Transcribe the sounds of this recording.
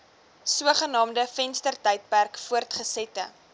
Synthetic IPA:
suəχənɑːmdəfɛnstərtəjt̚pærkfuərtχəsɛtə̰

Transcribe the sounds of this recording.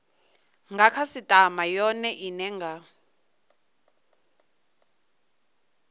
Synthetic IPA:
ŋɡakʰasitʼamajɔnɛʔinɛŋɡa

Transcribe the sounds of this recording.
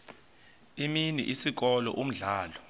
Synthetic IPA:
iminḭʔisik̬ɔlɔ̰ʔum̩ɮaːlɔ

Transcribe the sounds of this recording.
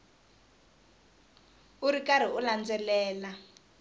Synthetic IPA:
uɾikaɾ̤iuland͡zɛlɛːla

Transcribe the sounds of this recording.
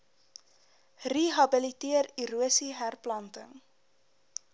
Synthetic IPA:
riɦɐbəlitiəriɾuəsiɦærplɐntə̰ŋ

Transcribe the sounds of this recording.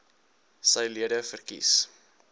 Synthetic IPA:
səjliədəfərkḭs

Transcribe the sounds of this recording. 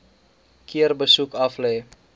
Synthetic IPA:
kʰiərbəsukɐflɛj

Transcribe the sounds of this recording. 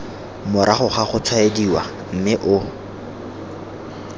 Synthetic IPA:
mʊɾʔaχʊχaχʊt͡sʰwaediwa | m̩mɪʔʊ

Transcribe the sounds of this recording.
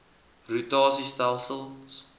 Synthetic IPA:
rutaːsistalsəl

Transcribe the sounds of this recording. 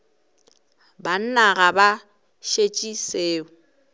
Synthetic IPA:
ban̩naɣaba | ʃet͡ʃʼiseːʊ

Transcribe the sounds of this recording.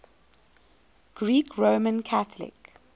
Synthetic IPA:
ɡ̥ɹiːkʰɹoːmə̃nkʰaθəlɪ̰k

